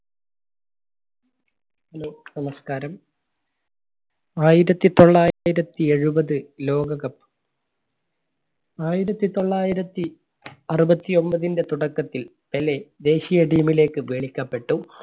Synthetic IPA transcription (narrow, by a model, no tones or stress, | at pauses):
ɐlunɐmɐskaːɾɐm | aːjiɾɐt̪ːit̪o̞ɭːaːjiɾɐt̪ːie̞ɻubɐðɨlo̞ːɡɐɣɐpː | aːjiɾɐt̪ːit̪o̞ɭːaːjiɾɐt̪ːi | ɐrubɐt̪ːio̞mbɐðinde̞t̪uɽɐkːɐt̪ːil | peled̪e̞ːɕijɐʈiːmile̞ːkːɨʋeːɭikʲːɐpːe̞ʈːu